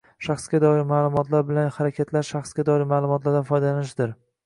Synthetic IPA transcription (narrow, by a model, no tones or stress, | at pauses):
ʃaχsɡʲad̪ɒɪɾmaːlˠʊmɒt̪ʰlaɾbɪlanhaɾakʲʰat̪ʰlaɾʃaχsɡʲad̪ɒɪɾmaːlˠʊmɒt̪laɾd̪afɒjd̪alanɪʃd̪ɪɾ